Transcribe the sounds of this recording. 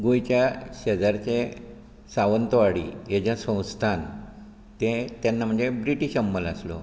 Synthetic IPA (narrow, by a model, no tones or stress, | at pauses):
ɡojt͡ɕjaɕəd͡zaɾt͡ɕe | saʋənt̪əʋaɽḭjed͡ʑjasə̃w̃st̪ʰan | t̪ẽt̪janːam̤əɳd͡zebɾiʈiɕəmbələslo̰